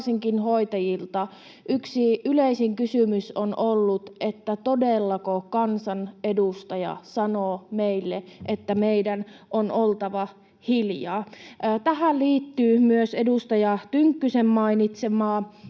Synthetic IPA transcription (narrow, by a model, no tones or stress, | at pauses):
siŋkinhoit̪ɑjilt̪ɑ | ʔyksiyleisiŋkysymysonʔolːut̪et̪ːæt̪odelːɑkokɑnsɑnedust̪ɑjɑ̰sɑnoːmeilːeʔet̪ːæmeidænʔonolt̪ɑʋɑ | hiljɑ̰ːʔːt̪æhælliːt̪ːyːmyøsedust̪ɑjɑt̪yŋkːysemːɑinit̪semɑː